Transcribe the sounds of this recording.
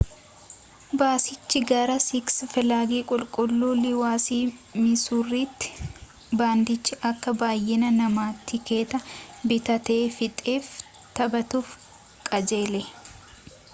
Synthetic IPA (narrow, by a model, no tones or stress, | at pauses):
baːsɪt͡ʃːɪɡɐɾɐsɪksfɪlaːɡiːkʼʊlkʼʊlːuːlɪwaːsiːmɪsuːrːiːt̪ːɪ̥ | baːnd̪ɪt͡ʃːɪʔɐkːɐbaːjːɪnɐnɐmaːt̪ːɪke̞ːt̪ɐbɪt̪ɐt̪eːfɪt̪ʼeːf | t̪ɐbɐt̪uːf | kʼɐd͡ʒe̞ːlɛ